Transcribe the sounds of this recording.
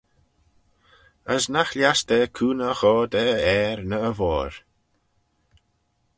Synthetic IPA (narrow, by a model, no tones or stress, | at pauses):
əsnaxljast̪ɛkʰuːnəxɔːd̪ɛɛːɾnəəvɔːɹ